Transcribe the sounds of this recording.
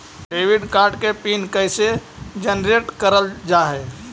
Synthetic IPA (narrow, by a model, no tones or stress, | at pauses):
ɾeʋiɖkaɾɖkepinkəɪsed͡ʒənɾeʈkəɾəld͡ʒaɦɛ